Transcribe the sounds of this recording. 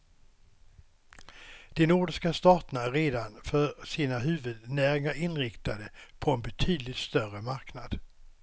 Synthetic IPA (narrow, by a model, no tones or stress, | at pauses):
d̪̥ɛnuːɖɪʂkast̪ɑːt̪ənaæɾeːd̪anfœɾʂiːnaɦʉ̟ːvɵd̪næːɾɪŋaɾɪnɾɪkt̪ad̪əpʰɔɛnbɛt̪ʰyːd̪lɪt̪st̪œrəmaɾknad̪̥